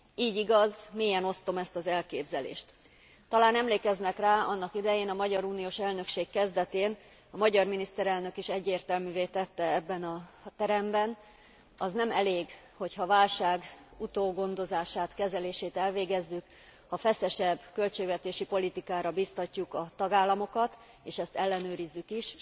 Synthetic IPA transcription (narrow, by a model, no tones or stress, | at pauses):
iːɟiɡɒzmeːjɛno̞st̪o̞mɛst̪ɒzɛlkeːbzɛlḛːʃt̪ | t̪ːɒlaːnɛmleːkɛznɛkraːɒnːɒkid̪ɛjeːnɒmɒɟɒɾuːnijoːʃɛlnø̞kʃeːkːɛzd̪ɛt̪eːn | ɒmɒɟɒrminist̪ɛɾɛlnø̞kiʃɛɟːeːrt̪ɛlmyːveːt̪ɛt̪ːɛɛbːɛnɒt̪ɛɾɛmbɛn | ɒznɛmɛleːɡ | ho̞chɒvaːlʃaːɡut̪oːɡo̞nd̪o̞zaːʃaːt̪kɛzɛleːʃeːt̪ɛlveːɡɛzːyk | hɒfɛsɛʃɛbkø̞lt͡ʃeːɡvɛt̪eːʃipo̞lit̪ikaːɾɒbiːst̪ɒcːukɒt̪ɒɡaːlːɒmo̞kɒt̪ | eːʃɛst̪ɛlːɛnøːɾizːykiʃ